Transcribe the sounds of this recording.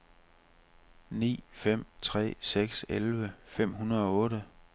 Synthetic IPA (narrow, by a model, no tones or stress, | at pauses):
nḭːfem̰t͡sʰʁɛ̰ːseɡ̥selʋəfem̰ɦunɐðˠɒ̽ɔ̽ːɾə